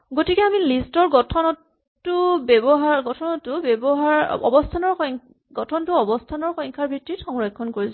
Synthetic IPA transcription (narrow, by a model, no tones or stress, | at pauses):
ɡotikɛamilistɔɹɡɔtʰɔnɔtː | ʊbɛbɔɦaɹɡɔtʰɔnɔtʊbɛbɔɦaɹɔ̰bɔstʰanɔɹxɔŋ | ɡɔtʰɔntʊɔbɔstʰanɔɹxɔjŋkʰaɹbʱitːitxɔŋɹɔjkʰːɔnkoɹis